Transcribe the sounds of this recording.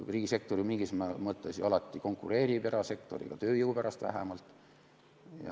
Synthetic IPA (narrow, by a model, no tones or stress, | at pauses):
riːɡ̥ise̞k̚t̪o̞ɾjumiŋɡ̥ismɑmɤt̪ːˑesiɑlɑt̪ˑːiko̞ŋkːˑuɾe̞ːɾipeɾɑse̞kt̪o̞̰ɾḭɡ̥ɑt̪ø̞ːjəwpæɾɑst̪væ̰ɦæ̰mɑlt̪ˑ | jɑ̰